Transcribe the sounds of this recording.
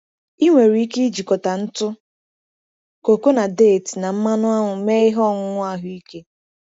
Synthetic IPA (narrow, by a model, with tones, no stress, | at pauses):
i˦ŋʷe˨ɾi˨˦i˦ke˦i˦d͡ʒi˨kɔ˨ta˨n̩˦tʊ˦ | ko˨ko˦na˨de˦˨tna˨m̩˦ma˦nʊ˦a˦ɦʊ˨me˦ɪ˦ɦɔ˦˨ŋʊ˦ŋʷʊ˦a˦ɦʊ˦i˦ke˦